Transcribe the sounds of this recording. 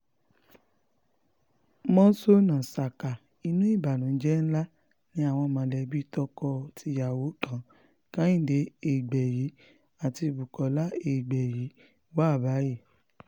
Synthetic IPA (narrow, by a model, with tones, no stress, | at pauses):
mɔ̃˦so˦nã˨sa˨ka˨ | i˧nũ˦i˦˨ba˨nũ˨˦d͡ʒɛ˦n̩˦la˦ | nĩ˨˦a˦˨w̃ɔ̃˧mã˨˧˦lɛ˧˦bi˦tɔ˧kɔ˧tʰi˧˦ja˨wo˨˦kã˦ | kã˦ĩ˦˨de˨˦e˦˨ɡ͡bɛ˨ji˨˦ | a˨ti˧˨bu˨kɔ˨˦la˦e˧˨ɡ͡bɛ˨ji˨˦ | wa˦˨ba˨˦je˦˨